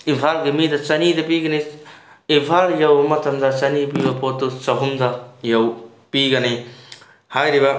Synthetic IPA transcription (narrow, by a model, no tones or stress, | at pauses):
impʰaɾɡemidɐt͡ʃɐnidɐpiɡɐne | ipʰaɾjɐwmɐtʰɐmd̪ɐt͡ʃɐnipibɐpotːut͡ʃɐɦumdɐjɐw | piɡɐnij | hajɾibɐ